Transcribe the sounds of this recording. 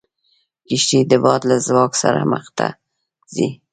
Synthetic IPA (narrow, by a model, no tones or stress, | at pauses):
kiʃʈid̪əbɑt̪lazwɑksa̰ɾa̰mə̰χt̪a̰ | z̥i